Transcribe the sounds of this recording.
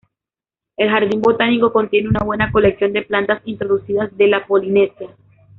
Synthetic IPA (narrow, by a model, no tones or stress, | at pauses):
e̞lxaɾðimbo̞t̪aniko̞kont̪je̞ne̞unaβwe̞nako̞leksjo̞nd̪e̞plant̪asint̪ɾo̞ðusiðazd̪e̞lapo̞line̞sja